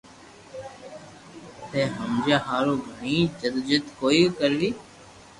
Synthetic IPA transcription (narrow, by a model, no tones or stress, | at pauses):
t̪ẽːɦəmd͡ʒaːɦaːɾoːɡʱəɳiːd͡ʒəd̪d͡ʒɪt̪koːiːkəɾliː